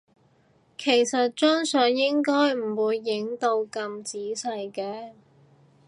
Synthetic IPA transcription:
kʰe˨˩jsɐ˨t̚t͡ʃœː˥ŋsœː˨˧ŋjɪ˥ŋkɔː˥jm̩˨˩wuː˨˧jːɪ˨˥ŋt̪o˧wkɐ˧mt͡siː˨˥sɐ˧jkɛː˨˧

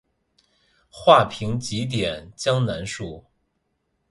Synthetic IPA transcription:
xwa˥˩pʰi˧˥ŋt͡ɕi˧˥t̪̬jɛ˨˩˦nt͡ɕjɑ˥ŋna˧˥nʂu˥˩

